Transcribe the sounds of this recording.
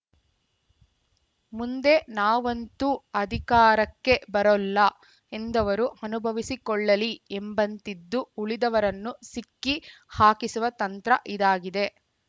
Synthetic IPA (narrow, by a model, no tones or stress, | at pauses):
mund̪e̞naːʋɐnt̪uɐd̪ʱikaːɾɐkːe̞bɐɾɐlːɐ | e̞nd̪ɐʋɐɾuɐnubʱɐʋisikɔɭːɐliembɐnt̪id̪ːuuɭid̪ɐʋɐɾɐnːusikːihaːkisuʋɐt̪ɐnt̪ɾɐʔid̪aːɡid̪e̞